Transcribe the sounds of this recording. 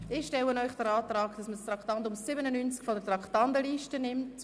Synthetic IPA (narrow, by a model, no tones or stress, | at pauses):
ɪːʃtɛlənɔʏχd̥əɾɑːtraːkd̥ɑsməst̪rɑktɑndʊmːɪbənənynt͡skfɔdətrɑktɑndəliːʃtənɪmt